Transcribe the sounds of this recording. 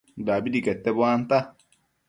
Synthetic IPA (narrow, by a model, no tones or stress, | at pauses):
daːbidikɛt̪ːɛbwaːnt̪a